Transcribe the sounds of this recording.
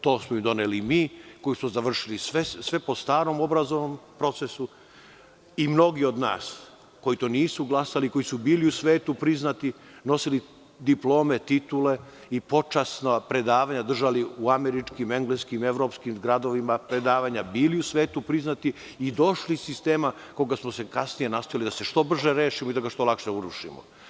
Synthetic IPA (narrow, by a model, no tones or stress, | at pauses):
t̪o̞ːsmoimd̪o̞nelimiːko̞jismozaʋr̩ʃilisʋesʋe̞po̞st̪aːɾo̞mo̞bɾazoʋnompɾo̞t̪sesu | imno̞ɡio̞d̪na̰ːs | ko̞jit̪o̞ːniːsuɡlˠasaliko̞jisubiːliusʋe̞ːt̪upɾiznat̪i | no̞sili | d̪iplo̞ːme̞t̪it̪ule̞ | ipo̞t͡ʂasnapɾe̞d̪aːʋaɲad̪r̩ʒaliuameɾit͡ʂkime̞ŋɡleskime̞ʋɾo̞ːpskimɡɾad̪o̞ʋimapɾe̞d̪aːʋaɲabiːliusʋeːt̪upɾiznat̪iː | d̪o̞ʃlissist̪e̞ːma | ko̞ɡasmose̞kasnijenast̪ojalid̪ase̞ʃt̪o̞br̩ʒeɾeːʃimoid̪aɡaʃt̪o̞lakʃeuɾuʃḭmo̰